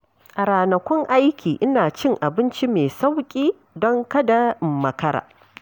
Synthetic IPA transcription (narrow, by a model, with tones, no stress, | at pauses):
kʼɐ˨ɾaː˨nɐ˨kʷɔ˦ŋʔa˦jkʲiː˨ʔɪ˦naː˨t͡ʃɪ˦ŋʔa˨bɪ˦nt͡ʃi˦meː˨sa˦wkʲʼiː˦ | dɔ˦ŋkɐ˦da˨ʔɪ˨mːɐ˨kɐ˦ɾa̰ː˨